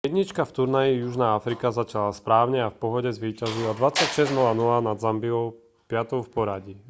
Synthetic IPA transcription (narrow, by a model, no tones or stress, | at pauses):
jɛd̪ɲit͡ʃkaft̪uɾnajijuʒnaːafɾikazat͡ʃalaspɾaːʊɲɛafpɔɦɔɟɛzʋiːcazilad̪ʋat͡sːacʃɛznulanulanad̪zambiɔʊ | pɪat̪ɔʊfpɔɾaɟi